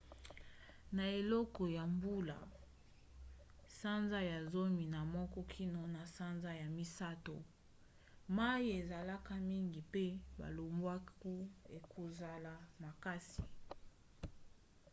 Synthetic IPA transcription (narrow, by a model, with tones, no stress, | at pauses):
na˨e˨lɔ˦kɔ˨ja˨mbu˦la̰˨ | sa˦nza˦ja˨zo˦mi˨na˨mɔ˦kɔ˦kʰi˦no˨na˨sa˦nza˦ja˨mi˦sa˦to˨ | ma˦i˦e˨za˨la˦ka˦mi˦ŋɡi˨pe˦ba̰˨lo˨mbwa˦ku˦e˨kʰo˨za˨la˨ma˨ka˦si˨